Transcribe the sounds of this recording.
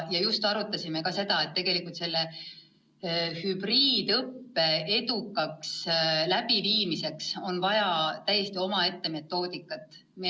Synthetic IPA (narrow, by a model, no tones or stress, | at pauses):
jɑjust̪ɑɾut̪ːˑɑsime̞kɑse̞d̪̥ɑe̞t̪ːe̞ɡ̥e̞likːˑult̪se̞lːe | hyb̥riːd̪̥ɤpːe̞e̞d̪ukːˑɑkslæb̥iviːmise̞kso̞nvɑjɑt̪æjːe̞st̪io̞mɑe̞t̪ːe̞me̞t̪ːˑo̞ːd̪ikːˑɑt̪ːˑ | mi